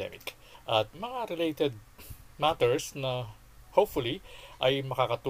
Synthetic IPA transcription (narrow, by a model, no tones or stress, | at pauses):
ɛ̰mɪk | ʔɐt̪̚mɐŋaɾɪlejt̪ɛd̪̚ | mat̪ɛɹsnɐ | hopfʊliʔɐjmɐkakɐt̪u